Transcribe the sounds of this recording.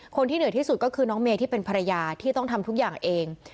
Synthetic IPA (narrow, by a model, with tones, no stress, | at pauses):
kʰo˧nt̪ʰiː˥˩nɯ˩˦t̪ʰiː˥˩su˨˩t̪̚kɔː˥˩kʰɯː˧nɔː˦˥ŋmeː˧t̪ʰiː˥˩pe˧npʰa˧ɾa˧jaː˧t̪ʰiː˥˩t̪ɔ˥˩ŋt̪ʰa˧mt̪ʰu˦˥k̚jaː˨˩ŋʔeː˧ŋ